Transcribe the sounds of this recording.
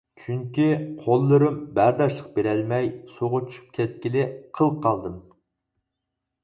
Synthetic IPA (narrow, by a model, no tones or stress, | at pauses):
t͡ʃʰyŋkʲiqʰolˠːɨɾɨmbæɾd̪ɑʃlˠəq̚beɾɛlmɛjsoʁʊt͡ʃʰy̥ʃy̥p̚kʲʰɛt̪̚kʲilɪqʰəlˠqʰɑlˠd̪ɨm